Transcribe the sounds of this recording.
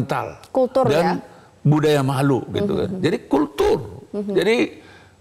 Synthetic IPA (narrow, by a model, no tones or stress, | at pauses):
nt̪a̰lkult̪ʊrdan | budajamaɦluɡit̪ṵka̰nd͡ʒadikult̪ʊrd͡ʒadi